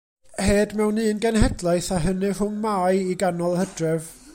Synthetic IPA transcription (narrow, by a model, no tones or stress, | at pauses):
heːdmɛwnːɨːənɡɛnɦɛdlˠajθaɦənɨrʊmmaːjiɡanɔlˠhədrɛv